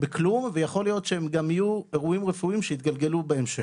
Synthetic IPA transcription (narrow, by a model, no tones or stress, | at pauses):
beklumvejaχo̞lijo̞tʃeemɡamijue̞ʁuimʁefuimʃeit̪̚ɡalɡe̞lubeemʃe